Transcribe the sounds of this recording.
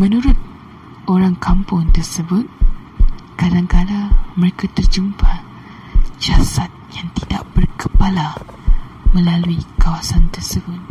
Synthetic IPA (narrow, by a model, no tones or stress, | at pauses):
mənuɾʊt̪̚ | oɾaŋkʰampʊŋt̪ərsəbʊt̪̚ | kadaŋkadaməɾekat̪ərd͡ʒumpʰa | d͡ʒasat̪̚jaŋt̪ida̰ʔb̥ərkəpala | mə̃laluikawasant̪ərsəbʊt̪̚